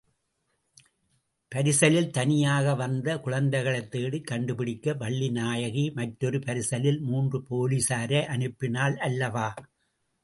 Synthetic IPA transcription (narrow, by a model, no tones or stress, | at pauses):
pɐɾɪsɐlɪlt̪ɐnɪjaːɣɐʋɐnd̪ɐkʊɻɐnd̪ɐɪɣɐɭɐt̪ːeːɽɯkːɐɳɖɯpɪɽɪkːɐʋɐɭːinaːjɐɣimɐʈɾɔɾɯpɐɾɪsɐlɪlmuːndrɯpoːlisaːɾɐʔɐɳɯpːɪnaːlʔɐlːɐʋaː